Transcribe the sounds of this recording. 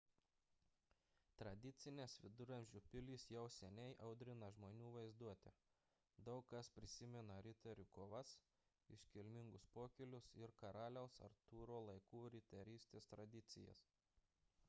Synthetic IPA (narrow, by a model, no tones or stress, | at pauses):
t̪ɾɐd̪ʲɪt̪sʲɪnʲeːsʋʲɪd̪ʊɾʲɐmʲʒʲʊpʲɪlʲiːsjɛʊsʲɛnʲɛɪʔɐʊd̪ʲɾʲɪnɐʒmoːnʲuːʋɐɪzd̪uɔt̪ʲɪ̰ | d̪ɐʊkkːɐspʲɾʲɪsʲɪmʲɛnɐɾʲɪt̪ʲɛɾʲukoːʋɐs | ɪʃʲkʲɪlʲmʲɪŋɡʊspoːkʲɪlʲʊsɪɾkɐɾɑːlʲɛʊsɐ̰ɾt̪uːɾoːlˠɐɪkuːɾʲɪt̪ʲɛɾʲiːsʲt̪ʲeːst̪ɾɐd̪ʲɪt̪sʲɪjɛ̰s